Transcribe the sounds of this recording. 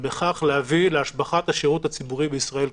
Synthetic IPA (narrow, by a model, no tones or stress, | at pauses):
beχaχlehavileaʃbaχat̪haʃeʁuthat͡sibuʁibeisʁae̞l